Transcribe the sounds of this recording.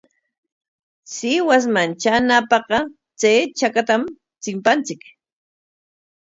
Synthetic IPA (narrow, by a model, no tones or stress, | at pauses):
sɪwas̬mant͡ʃanapɑqɑ | t͡sejt͡ʃakat̪am | t͡sɪmpant͡sɪk